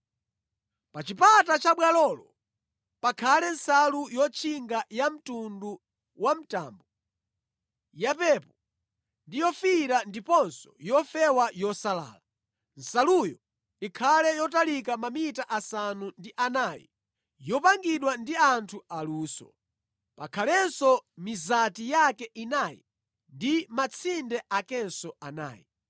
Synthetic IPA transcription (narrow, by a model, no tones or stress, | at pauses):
pat͡ʃipatat͡ʃaɓwalɔlɔ | pakʰalɛnsalujɔt͡ʃʰiŋɡajam̩tundu | wam̩ta̰ːmbɔ | japɛpɔ | ndijɔfiɾandipɔnsɔ̥jɔfɛwajɔsala̰ːla | n̩salujɔ | ikʰalɛjɔtalikamamitaʔasanundiʔanajḭ | jɔpaŋɡiɗwandiantʰualuːsɔ̰ | pakʰalɛnsɔmizatijakɛʔinajḭ | ndimat͡sʰindɛʔakɛnsɔana̰ːjḭ